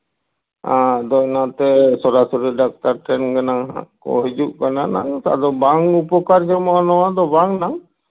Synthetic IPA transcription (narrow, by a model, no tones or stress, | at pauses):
ad̪ɔnat̪ɛsɔɾasɔɾiɖak̚taɾʈɛnɡanaŋɦa̰kɔ̰ɦid͡ʒuʔkanana̰ŋa̰d̪ɔbaŋupɔkaɾd͡ʒamãnɔwad̪ɔbaŋnaŋ